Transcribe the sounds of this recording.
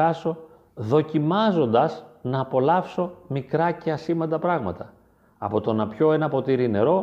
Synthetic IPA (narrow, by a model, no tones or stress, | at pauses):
ɐso̞ | ðo̞cimɐzo̞nd̪ɐznɐːpo̞lɐfso̞mikɾɐce̞ɐsimɐnd̪ɐpɾɐɣmɐt̪ɐ | ɐ̰po̞t̪o̞nɐpço̞enɐpo̞t̪iɾine̞ɾo̞